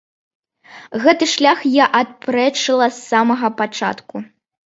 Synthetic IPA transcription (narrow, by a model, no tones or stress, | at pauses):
ɣɛt̪ɨʂlʲaxjaʔat̪̚pɾɛt͡ʂɨlˠɐsːamɐɣɐpat͡ʂa̰t̪ku